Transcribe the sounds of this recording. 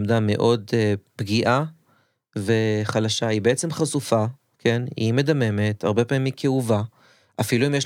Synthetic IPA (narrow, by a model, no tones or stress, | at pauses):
mdame̞̰ʔo̞deb̥ɡiʔa | ve̞χalaʃaibeʔet͡se̞mχasufa | kʰe̞nḭme̞dame̞me̞tʰa̰ʁbe̞pamimːikʰeuva | ʔafiluimjeʃ